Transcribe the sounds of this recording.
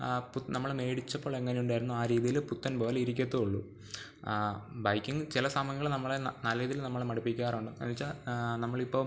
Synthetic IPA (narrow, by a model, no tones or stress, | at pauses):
punɐmːɐɭme̞ːɽit͡ɕːɐpːo̞ːɭe̞ŋːɐnejuɳɖaːjiɾunːuaːɾiːðijilput̪ːɐnpo̞ːleiɾik̬ʲːɐt̪ːuoɭːṵ | bɐjkʲːiŋɡɨt͡ɕilɐsamɐŋɡiɐɭnɐmːɐɭenɐlɐɾiːðijilnɐmːɐɭmɐɽɐpːikʲːaːruɳɖɨḛnʋit͡ɕːanɐmːɐɭipːoː